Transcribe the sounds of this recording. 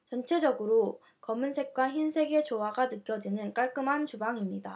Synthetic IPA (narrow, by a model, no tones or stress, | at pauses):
t͡ɕʌnt͡ɕʰe̞d͡ʑʌɡɯɾo | kʌmːunsʰe̞k̚k͈waçinsʰe̞ɡe̞t͡ɕoɦaɡanɯk͈jʌd͡ʑinɯnk͈aɭk͈ɯmɦant͡ɕubaŋimɲida